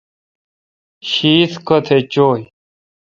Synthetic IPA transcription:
ɕiːt̪ʰkət̪ʰet͡ɕoːj

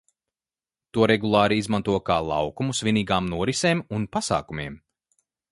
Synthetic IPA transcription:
t̪uɔɾɛɡulˠɑːɾiizmant̪uɔkaːlˠɑ̰wkumusviniːɡaːmnuɔɾiseːmunpasa̰ːkumiɛm

